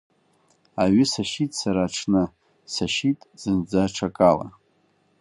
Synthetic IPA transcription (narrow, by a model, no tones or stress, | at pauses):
aɥʏsaʃitʼsaɾaːʈ͡ʂʰnɨ | saʃitʼz̥ɨnd͡zaʈ͡ʂʰakʼala̰